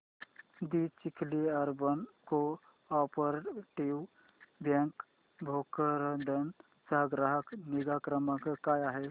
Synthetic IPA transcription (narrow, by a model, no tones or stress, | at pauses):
d̪it͡ʃikʰliəɾbənko | ɔpəɾʈiw | bjɛ̃ŋk | bʱokəɾəd̪ən | səɦɡɾaɦəkniɡakɾəməkkaːjaɦɛ